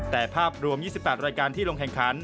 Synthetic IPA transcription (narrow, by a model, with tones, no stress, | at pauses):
t̪ɛː˨˩pʰaː˥˩p̚ɾu˧əmjiː˥˩si˨˩pːɛː˨˩t̪̚ɾaː˧jkaː˧nt̪ʰiː˥˩lo˧ŋkʰɛ˨˩ŋkʰa˩˦˥n